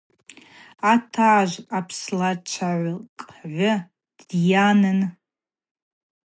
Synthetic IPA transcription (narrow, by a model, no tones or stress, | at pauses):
atʰaːʒʷapʰslat͡ʃʷʰaʕʷkʼʕʷʊ | d̥janɨn